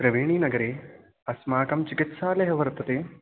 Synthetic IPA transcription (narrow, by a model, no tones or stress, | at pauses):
pɾɐʋeːɳ̃iːnɐɡɐɾeː | ɐsmaːkɐmt͡ʃɪkɪt̪saːlɐɦɐʋɐɾɐt̪ɐt̪eː